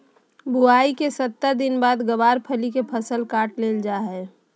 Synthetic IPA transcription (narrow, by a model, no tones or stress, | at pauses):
bʱuaikesət̪ːəɾd̪ɪnbaːd̪ɡəbaːɾpʰəlikepʰəsəlkaːʈleld͡ʒaɦɛ